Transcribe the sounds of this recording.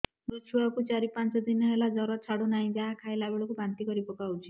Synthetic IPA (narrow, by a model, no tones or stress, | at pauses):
dut͡ʃʰuakut͡ʃaɾipant͡ʃɔd̪inɔɦelad͡ʒɔɾɔt͡ʃʰaɽunaɦĩd͡ʒaɦakʰaelabeɭɔkubant̪ikɔɾipɔkawt͡ʃʰi̥